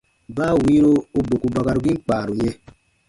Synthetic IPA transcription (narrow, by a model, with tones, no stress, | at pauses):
baː˦˨wi˦ɾo˦o˦bo˨ku˨ba˨ka˨ɾu˨ɡi˦ŋ͡m̩˦k͡pa˨ɾu˨ɲẽ˦